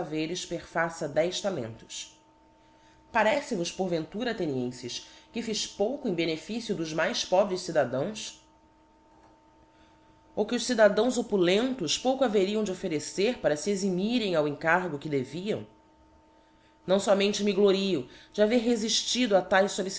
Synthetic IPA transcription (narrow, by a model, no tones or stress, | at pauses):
aveɾɪʃpeχfasɐd̪ɛjst̪alḛ̃nt̪ʊ̥s | paɾɛsɪvʊʃpoɾvẽnt̪uɾɐat̪eniẽsɪʃkɪfiʃpowkʊẽj̃benefisjʊd̪ʊzmajspɔbɾɪʃsid̪ad̪ɐ̃w̃s | okɪʊʃsid̪ad̪ɐ̃w̃zopulẽnt̪ʊspowkʊaveɾiɐ̃w̃d͡ʒɪofeɾeseɾpaɾɐsiezimiɾẽj̃awẽŋkaɾɡʊkɪd̪eviɐ̰̃w̃ | nɐ̃w̃sɔmẽnt͡ʃɪmɪɡloɾiʊd͡ʒɪaveɾɦeziʃt͡ʃid̪ʊat̪ajʃsolis